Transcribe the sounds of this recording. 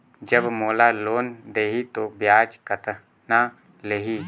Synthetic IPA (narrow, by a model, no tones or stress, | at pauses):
d͡ʒəbmoːlaːloːnd̪eːɦit̪objaːd͡ʒkət̪ | na | leːɦiː